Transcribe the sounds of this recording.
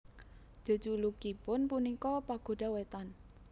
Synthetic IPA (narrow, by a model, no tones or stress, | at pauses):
ʒ̥o̤̥d͡ʒ̥ulukipʊnpunikɔpaɡ̥o̤ɖ̥a̤wet̪an